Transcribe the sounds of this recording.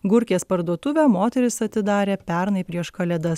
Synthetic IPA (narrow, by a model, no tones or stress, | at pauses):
ɡʊɾʲkʲeːspɐɾd̪uɔt̪ʊʋʲæmoːt̪ʲɛɾʲɪsɐt̪ʲɪd̪ɑːɾʲeːpʲɛɾnɐɪpʲɾʲiɛʃkɐlʲɛd̪ɐs